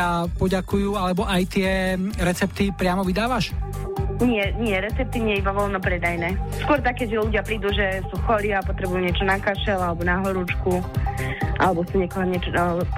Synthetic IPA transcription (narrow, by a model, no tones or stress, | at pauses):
apɔɟakujualɛbɔʔajt̪ɪɛɾɛt͡sɛpt̪ipɾɪamɔʋid̪aːʋaʃ | ɲɪɛɲɪɛɾɛt͡sɛp̚t̪iɲɪɛibaʋɔlnɔpɾɛd̪ajnɛːskʊɔɾt̪akːɛɟʒɛluɟɪapɾiːd̪uʒɛsuːxɔliapɔt̪ɾɛbujuːɲɪɛt͡ʃɔnakaʃɛlalɛbɔnaɦɔɾut͡ʃku | ʔalɛbɔsuɲɛkɔɦɔɲɛt͡ʃɔa